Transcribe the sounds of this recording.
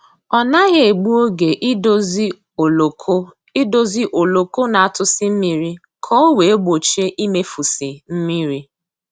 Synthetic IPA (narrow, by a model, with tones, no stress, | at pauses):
ɔ˨na˦ɣe˦e˨ɡ͡bu˦o˦ɡe˨ʔ | o˦ | i˦do˦zi˦ʔo˨lo˨ko˦na˨a˨tʊ˦sɪ˦m̩˦mi˨ɾi˦ | kʰɔ˦o˦we˨e˦ɡ͡bo˨t͡ʃe˦ʔi˦me˦fu˨si˨m̩˦mi˦ɾi˦